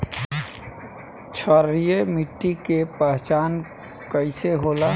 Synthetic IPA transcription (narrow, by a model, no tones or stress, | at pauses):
t͡ʃʰəɾijemiʈːikepəɦt͡ʃaːn | kəɪseɦoːla